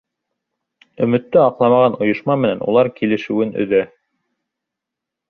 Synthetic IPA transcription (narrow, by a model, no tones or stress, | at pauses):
ɵ̆mɘ̆t̪ːɘɑqlˠɑmɑʁɑnŏjŏʃmɑmɘ̆nænṵlˠɑɾkilɘ̆ʃɘ̆wɘnɵ̰̆ðæ